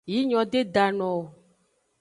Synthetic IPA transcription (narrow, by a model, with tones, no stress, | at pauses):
ji˦ɲɔ̃˨ɖe˦da˨nɔ̃˨